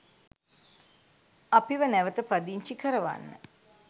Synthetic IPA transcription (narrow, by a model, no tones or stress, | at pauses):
apiʋənæʋət̪əpɾad̪iɲt͡ʃikəɾəʋa̰nːə̰